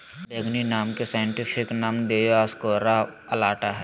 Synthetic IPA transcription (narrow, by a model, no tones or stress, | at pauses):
beːɡninaːmkesaːjə̃ɳʈɪpʰɪknaːmd̪eːjaːskoːɾaəlaːʈaɦɛː